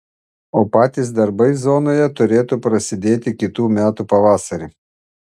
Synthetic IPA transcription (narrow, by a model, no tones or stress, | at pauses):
oːpɑːt̪ʲɪs̬d̪ɐɾbɐɪzoːnoːjɛt̪ʊɾʲeːt̪upɾɐsʲɪd̪ʲeːt̪ʲɪkʲɪt̪uːmʲæːt̪upɐʋɑːsɐɾʲe